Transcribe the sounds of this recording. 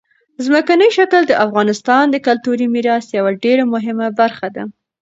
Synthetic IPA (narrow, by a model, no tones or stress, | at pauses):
zməkanəjʃakəld̪əʔafɣɑnɪst̪ɑnd̪əkalt̪uɾimiɾɑsjawaɖeɾamʊɦɪmabaɾxad̪a